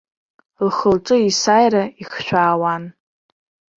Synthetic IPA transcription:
lχəlʈ͡ʂʼɨisajraiχʃᶣʷaːwan

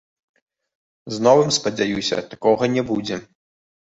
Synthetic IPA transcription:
znɔvɨmspɐd͡zʲajusʲɐ̰t̪akɔɣɐnʲɛbud͡zʲɛ

